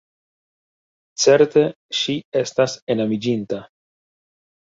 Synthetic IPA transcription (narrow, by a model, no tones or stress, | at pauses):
t͡se̞ɾte̞ | ʃie̞stase̞namid͡ʒinta